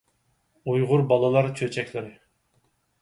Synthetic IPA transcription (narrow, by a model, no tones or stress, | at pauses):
ujʁʊɾbɑlˠɑlˠɑɾt͡ʃʰøt͡ʃʰɛkʲlɪɾɪ